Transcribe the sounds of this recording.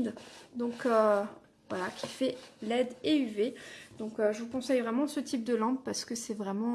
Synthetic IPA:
d̪d̪ɔ̃kø | vwalakʲʰifɛlɛd̪eyved̪̥ɔ̃køʒəvukɔ̃sɛjvʁɛmɑ̃sət̪ʰip̚d̪əlɑ̃p̚paʁsə̥kəsɛvʁɛmɑ̃

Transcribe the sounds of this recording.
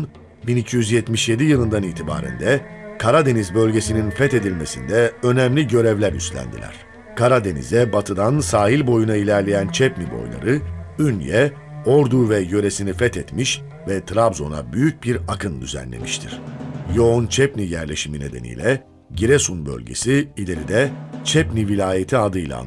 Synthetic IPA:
n | binicʰijyzjɛt̪miʃje̞d̪ijɯlˠɯnd̪aniːt̪ʰiba̰ːɾæ̰nd̪ɛkʰaɾad̪e̞nizbø̞lʲɟe̞sininfɛt̪e̞d̪ilʲme̞sḭnd̪ɛø̞nɛmlʲiɟø̞ɾɛvlʲæɾy̰st̪lʲæ̰nd̪ilʲæ̰ɾ̥ | kʰaɾad̪e̞nḭzɛbat̪ʰɯd̪ansaːɦilʲbo̞junailʲæɾlʲe̞jænt͡ʃʰɛpnibo̞̰jlˠa̰ɾɯynjɛ | oɾd̪uvɛjø̞ɾe̞sinifɛt̪ɛt̪miʃ | vɛt̪ʰɾabzo̞̰na̰byjyc̚biɾakʰɯnd̪yzæ̰nlːʲḛmiʃt̪ʰiɾ̥joont͡ʃʰɛpnijæɾlʲe̞ʃimine̞d̪e̞̰nḭjlʲɛ | ɟiɾesunbø̞̰lʲɟḛsiilʲe̞ɾid̪ɛt͡ʃʰɛpnivilʲaːje̞t̪ʰiad̪ɯjlˠa̰n

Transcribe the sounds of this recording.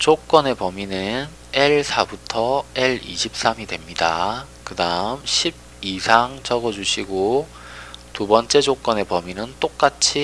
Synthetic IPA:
t͡ɕok͈ʌne̞pʌminɯn | e̞ɭsʰabutʰʌe̞ɭḭɕʰip̚s͈amidwe̞mɲida̰ | kɯdaɯmɕʰib̚isʰaŋt͡ɕʌɡʌd͡ʑuɕʰiɡo | tubʌnt͡ɕ͈e̞d͡ʑok͈ʌne̞pʌminɯnt͈ok̚k͈at͡ɕʰi

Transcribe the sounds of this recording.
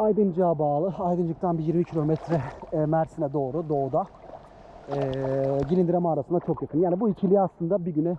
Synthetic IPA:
ajd̪ɯnd͡ʒaːbaːlˠɯajd̪ɯnd͡ʒɯk̚t̪ʰanbijiɾmicʰilʲo̞mɛt̪ʰɾɛmæɾsinɛd̪o̞ːɾud̪o̞ːd̪a | ɛːɟilʲind̪iɾemaɾasɯnd̪at͡ʃʰo̞kjakʰɯnjaːnibuicʰilʲijaslˠɯnd̪abiɟynɛ

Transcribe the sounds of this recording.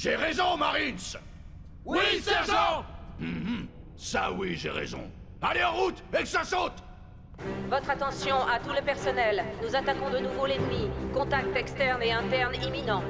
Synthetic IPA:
ʒeʁezɔ̃maʁins | wwisɛɔ̃m̩ | sawiʒḛʁḛzɔ̰̃ | aleɑ̃ʁut̪ekə̥sasot̪ | vɔt̪χat̪ɑ̃sjɔ̃at̪uləpɛʁsɔnɛlnuzat̪akɔ̃d̪ənuvoled̪mikɔ̃t̪ak̚t̪ɛkst̪ɛʁneɛ̃t̪ɛʁniminɑ̃

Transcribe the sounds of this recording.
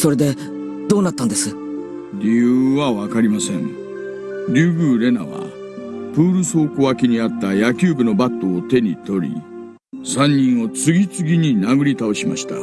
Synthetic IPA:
so̞ɾe̞d̪e̞ | d̪o̞ːnat̪ːãnd̪e̞sɨ | ɾʲijɯːβaβakaɾʲimasẽ̞ɴ | ɾʲɨːbɯ̟ːɾe̞na̰βa̰ | pɯ̟ːɾɯ̟so̞ːkoakʲiɲ̟iat̪ːajakʲɨːbɯ̟no̞bat̪ːo̞ːt̪e̞ɲ̟it̪o̞ɾʲḭ | sãɲ̟ːĩɰ̃o̞t͡sɨɡʲit͡sɨɡʲiɲ̟inaɡɯ̟ɾʲit̪ao̞ɕima̰ɕi̥t̪a

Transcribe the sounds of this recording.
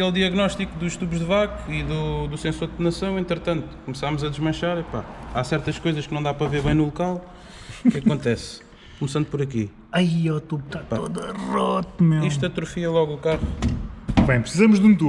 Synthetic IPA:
ɐɐkelˠd̪iɐɣnɔʃt̪ikuðuʃt̪uβʒdðɨvakiðud̪usẽsoɾd̪nɐsɐ̃w̃ẽnt̪ɾɨt̪ɐ̃nt̪u̥kumsamuzɐd̪ʒmɐ̃ʃaɾɛpa̰asɛɾt̪ɐʃkojzɐʃknɐ̃w̃d̪apɾɐveɾβɐ̃j̃nulˠukalˠ | kɐkõnt̪ɛs | kumsɐ̃nd̪upɔɾɐkḭ | aiɛt̪uβt̪atpoðɐʁɔt̪meiʃ̬t̪ɐt̪ɾufiɐlˠɔɣukaʁu | bɐ̃j̃pɾsizɐmuʒd̪ũt̪u

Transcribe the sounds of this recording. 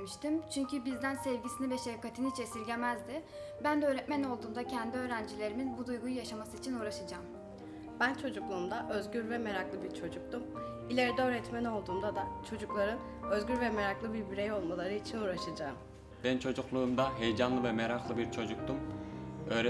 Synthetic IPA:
miʃt̪ʰimt͡ʃʰyɲcʰybizd̪ænsɛvɟisinivɛʃeɾkʰːat̪ʰinit͡ʃʰesiɾɟʲemæzd̪ɪ | bænd̪ɛøːɾɛt̪mæno̞lˠd̪uːmd̪acʰɛnd̪iø̞ːɾænd͡ʒilʲe̞ɾiminbud̪ujɡujujaʃamasɯit͡ʃʰinuːɾaʃad͡ʒaːm | b̥ænt͡ʃʰo̞d͡ʒuklˠuːmd̪aʔøzɟyɾvɛmeɾaklˠɯbiɾt͡ʃʰo̞d͡ʒuk̚t̪um | ilʲe̞ɾid̪ɛø̞ːɾɛt̪mæno̞lˠd̪uːmd̪ad̪at͡ʃʰo̞d͡ʒuklˠaɾɯn | øzɟyɾvɛmeɾaklˠɯbiɾbiɾejo̞lˠmalˠaɾɯit͡ʃʰinuːɾaʃad͡ʒaːm | b̥ɛnt͡ʃʰo̞d͡ʒuklˠuːmd̪aɦe̞jd͡ʒanlˠɯvɛmeɾaklˠɯbiɾt͡ʃʰo̞d͡ʒuk̚t̪ʰumø̞ːɾɛ

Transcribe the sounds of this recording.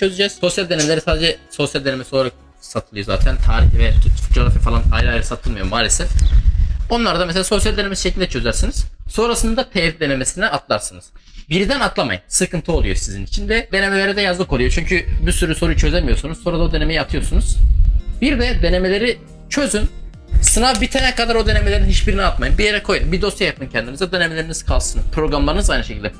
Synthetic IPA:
t͡ʃʰøzyd͡ʒɛz̥so̞sjalʲd̪eemelʲeɾisaːd̪ed͡ʒɛso̞sjalʲd̪enemesolˠaɾak̚ | sat̪ʰɯlˠɯjo̞za̰ːt̪ʰænt̪ʰaːɾiçivɛd͡ʒoɾafifalˠana̰jɾɯajɾɯsat̪ʰɯlˠmɯjomaːlʲesɛf | o̞nlˠaɾd̪ameselʲaːso̞sjalʲd̪enemesiʃecilʲd̪ɛt͡ʃʰøzæɾsiniz̥sonɾasɯnd̪at̪ʰɛvid̪e̞ne̞mesinɛat̪ʰlˠa̰ɾsɯnɯz̥biɾid̪ænat̪ʰlˠama̰jɯnsɯkʰɯnt̪ʰɯo̞lˠujoɾsizinit͡ʃʰind̪ɛd̪e̞ne̞me̞lʲe̞ɾɛd̪ɛjazlˠɯkʰoujo̞t͡ʃʰyɲcʰybisyɾyso̞ɾujt͡ʃʰø̞zemijo̞ɾsunuz̥soɾad̪aod̪e̞nemejiat̪ʰɯjo̞ɾsunuz̥biɾd̪ɛd̪e̞ne̞me̞lʲe̞ɾi | t͡ʃʰø̞zyn | sɯnavbit̪ʰenɛkad̪aɾo̞d̪ene̞melʲeɾinhiʃbiɾiniat̪majɯnbijeɾɛkʰo̞jmbid̪o̞sjajap̪̚ɯncʰɛnd̪imizad̪e̞nemelʲeɾiniz̥kʰalˠsɯnpɾo̞ɡɾamlˠaɾɯnɯzajnɯʃecʰilʲd̪ɛ

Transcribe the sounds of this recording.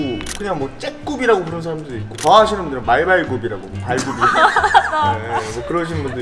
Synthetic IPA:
kɯɲaŋmwʌt͡ɕ͈ek̚k͈obiɾaɡokɯɾʌnsʰaɾamdɯɾik̚k͈otʌɦaɕʰinɯnmbundɯɾɯnmaɭbaɭɡobiɾaɡomopaɭɡobiɾa | emʌkɯɾʌɕʰinnbundɯ

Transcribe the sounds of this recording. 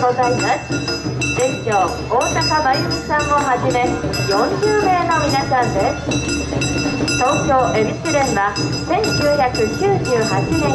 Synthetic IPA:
ozaimaszeŋkʲjo | oːsakabajɯmisãŋoɦaʑime̞jõɲd͡ʑɯːme̞ːnomʲinaɕiand̪es | t̪oŋkʲjoʔe̞ɾiɕɯɾẽnba | sẽ̞ŋkʲɨːçakɯ̟kʰʲɯːd͡ʑɨːɦat͡ɕine

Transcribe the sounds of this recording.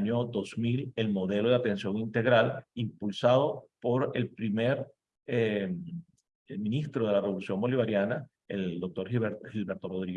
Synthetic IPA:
ɲod̪o̞smile̞lmo̞ðe̞lo̞ðeat̪e̞nsjo̞ŋint̪e̞ɣɾalimpulsaðo̞po̞ɾe̞lpɾimeɾ | em | mĩnist̪ɾoð̞e̞lareβo̞lusjo̞ŋbo̞liβaɾjana | ḛld̪o̞k̚t̪o̞ɾhilbeɾt̪o̞roð̞ɾiɣ

